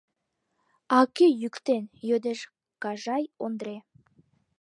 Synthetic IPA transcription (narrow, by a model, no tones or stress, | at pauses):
ɑkʲejʏkt̪enjød̪eʃ | kɑʒɑjond̪ɾe